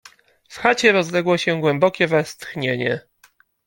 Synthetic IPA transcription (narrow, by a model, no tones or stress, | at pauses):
fxat͡ɕɛɾɔzlɛɡwɔɕɛɡwɛmbɔkʲɛvɛst̪xɲeɲɛ̰